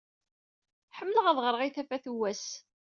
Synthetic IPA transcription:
ħəmːləʁæðˤʁəɾˤʁiθæfæθuwːæs

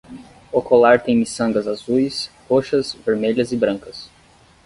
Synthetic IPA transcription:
okolaɾt̪ẽj̃misɐ̃ŋɡɐzazujshoʃɐzveɾmeʎɐzɪbɾɐ̃ŋkɐs

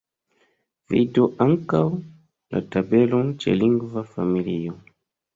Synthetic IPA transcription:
vḭdeɔʔaŋka | la̰tabɛlɔŋt͡ʃɛ̰liŋɡuvafamilijɔ

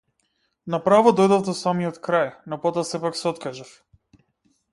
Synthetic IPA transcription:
napɾavɔd̪ɔjd̪ɔvd̪ɔsamiɔt̪kɾajnɔpɔt̪ɔasɛpaksɛɔt̪kaʒaf

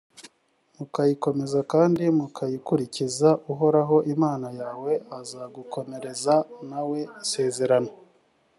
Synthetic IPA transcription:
mukajiko̞me̞zakaːndimukʰajikuɾicizaʔuɦo̞ɾaɦo̞ʔimaːnajaːwe̞ʔazaːɡuko̞me̞ɾe̞zanawe̞se̞ːze̞ɾano

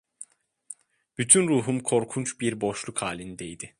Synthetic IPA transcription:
b̥yt̪ʰynɾuːɦumkʰo̞ɾkʰunt͡ʃbiɾbo̞ʃlˠukhaːlʲind̪ejd̪ɪ

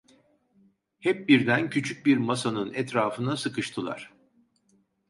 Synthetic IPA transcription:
hɛp̚biɾd̪æncʰyt͡ʃʰyc̚biɾmasanɯnɛt̪ɾaːfɯnasɯkɯʃt̪ʰɯlˠa̰ɾ̝̥

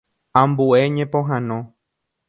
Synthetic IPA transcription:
ãmbueɲẽpõɦãnõ

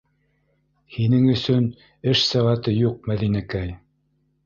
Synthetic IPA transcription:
hinɘŋɵ̆sɵn | ɘʃsɘ̆ʁæt̪ɤjuq̚mæðinækæj

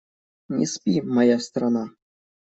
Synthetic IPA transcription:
nʲḭspʲimɑjɑst̪rɑnɑ

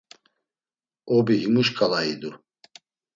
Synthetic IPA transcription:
ɔbiɦimuʃkʼalaid̪u

